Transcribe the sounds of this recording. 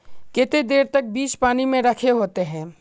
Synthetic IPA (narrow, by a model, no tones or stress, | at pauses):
kɪt̪ed̪eːɾt̪ɐk̚biːt͡ʃpaːnimẽɾɐkʰeɦoːt̪eɦɛ̃ː